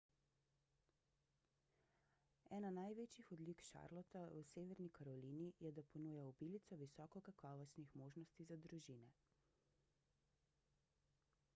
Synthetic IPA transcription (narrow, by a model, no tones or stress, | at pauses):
ɛːnanajʋet͡ʃjixɔd̪likʃa̰ɾlɔt̪awseːʋɛɾnikaɾɔliːnijɛd̪apɔnuːjaubilit̪sɔʋisɔːkɔkakɔːʋɔst̪nixmoːʒnɔst̪izad̪ɾuʒinɛ